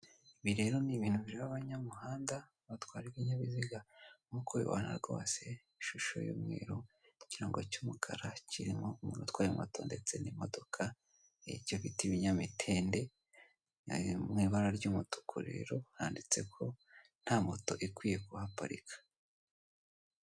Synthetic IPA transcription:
iβiɾe̞ːɾo̞niβiːnhuβiɾiaβaβaɲamuɦaːnda | βatwaːɾiwiɲaβiziɡaŋukojḭβa̰ːna̰ɾɡo̞̰ːse̞ | iʃuʃo̰jṵːmŋḛːɾo | ciɾaŋɡocumukʰa̰ɾaciɾimoumṵːnutwaːjima̰toːnde̞t͡se̞nimo̞do̞kʰa | ḛɾɟoβitiβiɲamitʰe̞ːnde̞ | mŋiːβaɾaɾɟumuto̥kʰuɾḛɾo̞haːndit͡se̞kʰo̞ | n̥hamoto̞̰ʔikwiːje̞kuhapa̰ɾḭkʰḁ

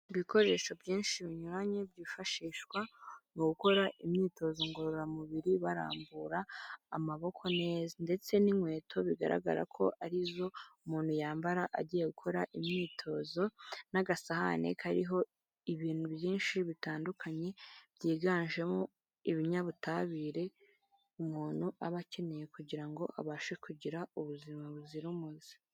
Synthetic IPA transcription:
iβiko̞ɾe̞ʃo̞bjiːnʃiβiɲuɾaɲebɟiːfaʃiːʃkwaŋoɡuko̞ɾaʔimɲiːto̞zoŋɡoɾoɾoɾamuβiɾiβaɾa̰ːmbuɾa̰ːmaβo̞kʰo̞ne̞ːzande̞t͡se̞nimwe̞ːtʰo̞βiɡa̰ɾa̰ɡa̰ɾa̰kʰo̞̰ʔaɾizo̞umuːnhujaːmbaɾaʔaɟiːje̞ɡukʰo̞ɾaʔimɲiːtʰo̞ːzo̞naɡasaha̰nḛkʰaɾiɦo̞ | iβiːn̥huβjiːnʃiβitaːndukʰaɲe̞βjiːɡaːnʒe̞mo | iβiɲaβutaβiɾe̞ | umuːn̥huaβace̞ne̞je̞kuɟiɾaŋɡo̞ʔa̰βaːʃekuɟiɾauβuzimaβuziɾumuzi̥

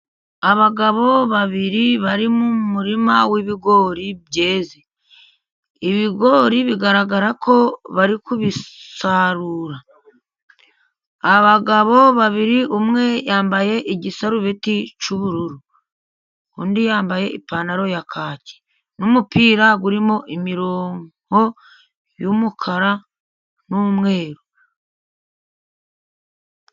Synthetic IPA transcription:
aβaɡaβo̞βaβiɾiβaɾimumuɾimawiβiɡo̞ːɾiβje̞ːze | iβiɡo̞ɾiβiɡaɾaɡaɾakʰo̞βaɾikuβisaɾuːɾa | βaɡaβo̞βaβiɾiʔumŋe̞jaːmbaje̞ʔiɟisaɾuβe̞ticuβuɾuɾu | kuːndijaːmbaje̞ʔipaːnaɾo̞jakʰaːce̥ | numupiːɾaɡuɾimo̞ʔimiɾoːŋho̞ | jumukʰaɾa | numŋe̞ːɾu

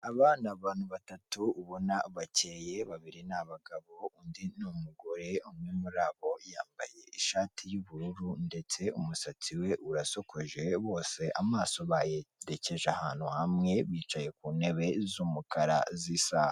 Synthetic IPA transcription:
aβanaβaːnhuβatatuːβo̞naβaceje̞βaβiɾinaβaɡaβo̞undinumuɡo̞ɾe̞umɲimuɾaβo̞ja̰ːmba̰je̞iʃaːtʰijuβuɾuɾunde̞t͡se̞umusat͡siwe̞ʔuɾaso̞kʰo̞ʒe̞βo̞ːse̞ʔamaːso̞βajeɾece̞ʒahaːn̥huhamŋe̞βiːt͡ʃaje̞kuːne̞βe̞zuːmukaɾa̰zisaha

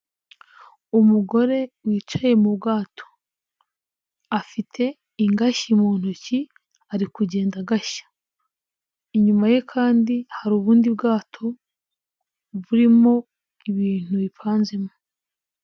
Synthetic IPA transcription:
umuɡo̞ɾe̞wiːt͡ʃaje̞mubɡaːtʰo̥ | afitʰe̞ | iŋɡaçimuːn̥uci | aɾikuɟe̞ːndaɡaʃḁ | iɲumaje̞kʰaːndihaɾuːβuːndibɡaːtʰo̞ | βuɾimo̞ | iβiːn̥uβipʰaːnze̞mo

